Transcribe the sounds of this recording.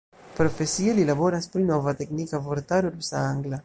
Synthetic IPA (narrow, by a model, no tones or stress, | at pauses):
pɾofesialilaβɔɾaspɾinɔvat̪ɛknikavoɾt̪aɾuɾusaaŋɡla